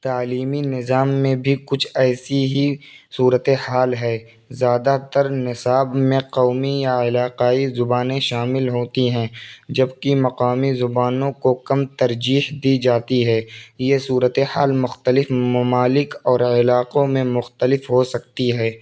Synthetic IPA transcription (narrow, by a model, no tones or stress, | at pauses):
t̪aːliːminɪzaːmːẽbʱikʊt͡ʃʰɛːsiɦisuːɾət̪ehaːlɦɛː | zjaːd̪at̪əɾnɪsaːbmẽqɔːmijaɪlaːqaːizʊbaːnẽʃaːmɪlɦoːt̪iɦɛ̃ːd͡ʒɐbkimɐqaːmizʊbaːnõkokɐmt̪ɐɾd͡ʒiːɦd̪id͡ʒaːt̪iɦɛːjesuːɾət̪ehaːlmʊxt̪əlɪfmɐmaːlɪkɔːɾɪlaːqõmẽmʊxt̪əlɪfɦosɐk̚t̪iɦɛː